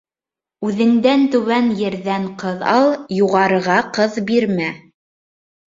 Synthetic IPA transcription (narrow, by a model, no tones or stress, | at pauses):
ʉðɘ̆ŋd̪ænt̪ɵ̆wænjɘ̆ɾðæɴqɤðɑlˠjuʁɑɾɤ̆ʁɑqɤðbiɾmæ